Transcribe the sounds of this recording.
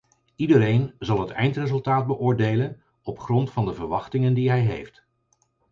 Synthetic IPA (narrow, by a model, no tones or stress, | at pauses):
idəɾejnzɑlˠɦətɛjntrezɵlˠtaːd̚bəʔʊːɹdejlən | ɔpχrɔntfɑndəvəɹʋɑχtɪŋəndiɦɛjɦḛjft